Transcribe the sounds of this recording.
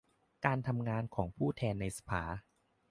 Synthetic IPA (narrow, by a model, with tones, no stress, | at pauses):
kaː˧nt̪ʰa˧mŋaː˧nkʰɔː˩˦ŋpʰuː˥˩t̪ʰɛː˧nːa˧jsḁ˧pʰa̰ː˩˦